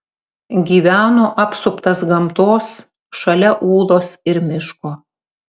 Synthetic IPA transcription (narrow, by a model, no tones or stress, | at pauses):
ɡʲiːʋʲæːnoːʔɐpsʊpt̪ɐsɡɐmt̪oːs | ʃɐlʲɛʔuːlˠoːsɪɾmʲɪʃkoː